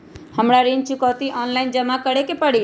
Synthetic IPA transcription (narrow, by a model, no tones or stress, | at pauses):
həmɽaɾint͡ʃukɔt̪iʔɔnlaind͡ʒəmakəɽekepəɽi